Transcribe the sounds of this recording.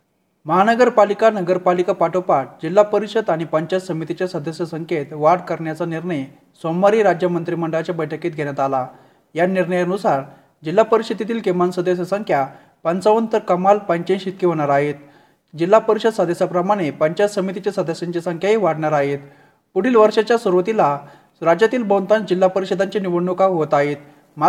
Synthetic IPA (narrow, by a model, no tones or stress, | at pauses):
məɦanəɡəɾpalikanəɡəɾpalikapaʈopaʈ̚d͡ʑilːapəɾiɕəd̪aɽ̃ipəɲt͡ɕat͡ssəmit̪it͡ɕjasəd̪əsjəsəŋket̪ʋaɽkəɾɳjat͡saniɾɳəj | somːaɾiɾad͡ʑjəmənt̪ɾiːməɳɖəɭat͡ɕjabəjʈʰəkiːt̪̚ɡʱeɽ̃jat̪ala | janiɾɳəjənusaɾ | d͡ʑilːapəɾisit̪it̪iːlkemansəd̪əɕ̬jəsəŋkʰja | pənt͡səʋənt̪əɾkəmalpəɲt͡ɕẽnɕit̪̚kiɦoɽ̃aɾaɦet̪̚ | d͡ʑilːapəɾiɕəd̪səd̪esapɾəmaɽ̃epəɲt͡ɕasəmit̪it͡ɕasəd̪esaɲt͡ɕesəŋkʰjaɦiʋaɽɳaɾaɦet̪ | puɽ̤iːlʋəɾʂat͡ɕjasəɾʋt̪ila | ɾad͡ʑjat̪iːlbənt̪and͡ʑilːapəɾiɕəd̪aɲt͡ɕeniʋəɳːukaɦot̪aɦet̪ | ma